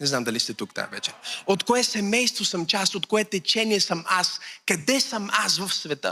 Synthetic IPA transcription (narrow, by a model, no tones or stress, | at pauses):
nɛznamd̪ɐlist̪ɛt̪ukt̪a̰vɛ̰t͡ʃɛ̥ot̪koɛsɛmɛjst̪vosəmt͡ʃast̪ot̪koɛt̪ɛt͡ʃɛniɛsəmaskɐd̪ɛsəmas̬vəfsvɛt̪ə̰